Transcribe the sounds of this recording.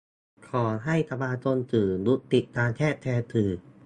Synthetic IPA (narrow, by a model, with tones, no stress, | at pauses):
kʰɔː˩˦ɦa˥˩jt̪ʰa˧baː˧t̪o˧nt̪ɯː˨˩nɾu˦˥t̪ːi˨˩t̪ːaː˧nt̪ʰɛː˥˩t̪ʰːɛː˧t̪ʰɯː˨˩